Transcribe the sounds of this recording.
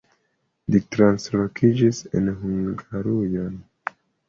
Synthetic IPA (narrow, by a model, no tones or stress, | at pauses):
litɾanslokʰid͡ʒisḛnhuŋɡaɾujan